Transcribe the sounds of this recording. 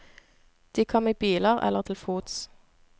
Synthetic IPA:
d̪̥iːkʰɔmiːbiːləʁɛ̰ləʁt̪ʰɪlfuːt̪s

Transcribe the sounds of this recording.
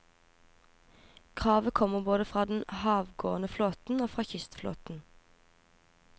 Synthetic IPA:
kʰʁɑːʋəkʰɔməʁboːd̪əfʁɑːd̪n̩hɑːʋɡo̰ːənəfloːt̪n̩oːfʁɑːçʏst̪flo̰ːt̪n̩

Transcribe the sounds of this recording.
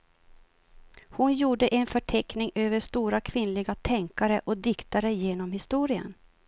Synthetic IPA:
hʊnjuːɖəʔɛnfœʈʰɛknɪŋøːvəʂt̪uːɾakʰvɪnlɪɡat̪ʰɛŋkaɾəʔɔd̪ɪkt̪aɾəjeːnɔmhɪst̪uːɾɪə̰n

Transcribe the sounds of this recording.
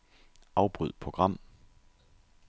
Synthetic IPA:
ɑ̈ʊb̥ʁyð̰ˠpʰʁoɡ̥ʁɑ̈m̰

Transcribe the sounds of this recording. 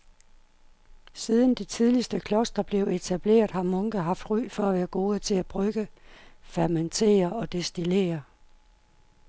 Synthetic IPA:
siːðˠnd̥it͡sʰiðˠlisd̥əkʰlɒ̽sd̥ɐb̥le̝ʊe̝t͡sʰæb̥le̝̰ːɐðˠhɑ̈mɔ̽ŋɡ̥əɦɑ̈fd̥ʁy̰ːfɒ̽æʋæːɐɡ̥o̝ːðˠət͡sʰe̝læb̥ʁœɡ̥əfæɐment͡sʰe̝̰ːɐɒ̽d̥e̝sd̥ile̝̰ːɐ

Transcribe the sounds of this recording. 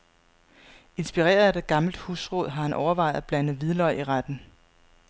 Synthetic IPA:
e̝nsb̥iʁḛːɐðˠæde̝̥ɡ̥ɑ̈ml̩d̥hṵːsʁɔðˠɦɑ̈hænʔɒʊɐʋɑ̈ɪð̩ˠæb̥lænð̩ˠʋiðˠlɒɪʔiʁad̥n̩

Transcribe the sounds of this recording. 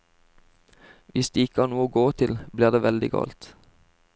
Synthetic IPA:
ʋʔɪsd̪̥eːɪkəɑːʁnuːoːɡoːt̪ʰɪlbliːʁd̪eːʋɛld̪ɪ̰ɡɑ̰ːlt̪

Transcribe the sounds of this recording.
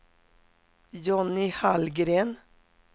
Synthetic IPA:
jɔnɪhalɡɾeːn

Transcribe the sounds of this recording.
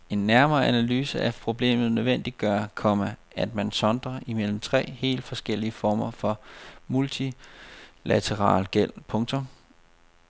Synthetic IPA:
e̝nːæɐmɐːʔænælyːsəæpʰʁo̝b̥le̝̰ːmð̞̩ˠnøðˠʋen̰d̥id̥̚ɡ̥ɶɐkʰɒ̽mæ | æd̥mænsɒ̽nd̥ʁɐʔimel̰m̩t͡sʰʁɛ̰ːhe̝̰ːld̥fɒ̽sɡ̥el̰iəfɒːmɐfɒ̽mult͡sʰi | læt͡sʰeʁɑ̰̈ːlɡ̥el̰pʰɔ̽ŋt͡sʰɔm

